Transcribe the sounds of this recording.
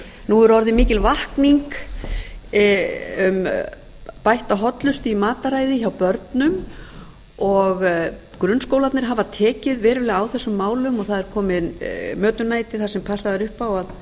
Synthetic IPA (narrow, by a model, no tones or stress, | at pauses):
nuɛɾɔɾðɪmiːcɪlvahkniŋk | ʏm | pajht̪aɦɔt̪lʏst̪ɪimaːt̪aɾaːjðɪçawpœɾt̪nʏm | ɔɣ | kɾʏnskowlat̪nɪɾ̥ɦavat̪ʰɛːcɪðvɛːɾʏlɪɣawθɛsːʏmːaːwlʏmɔɣθaðɛɾkʰɔːmɪmœːt̪ʏnaːjt̪ɪθasɛmpʰasaðɪɾʏhpawað